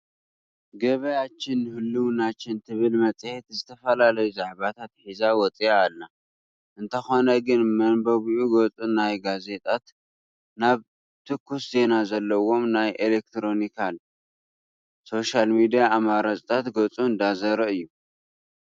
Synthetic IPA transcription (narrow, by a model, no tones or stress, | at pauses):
ɡɐβɐjat͡ʃːɪnːɨhɨlːuwnat͡ʃːɪnt̪ʰɨβɨlmɐt͡sʼhet̪zɨt̪ʰɐfɐlalɐjuzaʕβat̪ʰat̪ħizawɔt͡sʼijaːlːa | ʔɨnt̪ʰɐxo̞nɐɡɨnmɐnbɐβuʔuɡot͡sʼunajɡaze̞t̪ʼat̪ | naβ | t̪ʰɨkʰːusze̞nazɐlːɐwo̞mnajʔelek̚t̪ʰɾo̞nikʰal | so̞ʃalmid̪ijaːmaɾasʼt̪ʰat̪ɡot͡sʼuɨnd̪azɐɾɐɨjːu